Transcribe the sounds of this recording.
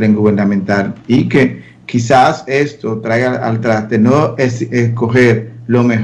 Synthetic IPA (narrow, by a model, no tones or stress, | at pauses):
ɾeŋɡuβeɾnãmẽnt̪alike̞ | kisase̞st̪o̞t̪ɾajɣaa̰lt̪ɾast̪enoeesko̞xeɾlo̞me